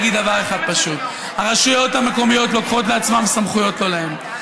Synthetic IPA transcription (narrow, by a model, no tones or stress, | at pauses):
ɡid̪dːavaʁe̞χad̪̚paʃut̪̚ | haʁaʃujo̞t̪hame̞ko̞mijo̞tlo̞kχo̞t̬le̞at͡smamsamχujo̞t̪lo̞lahe̞m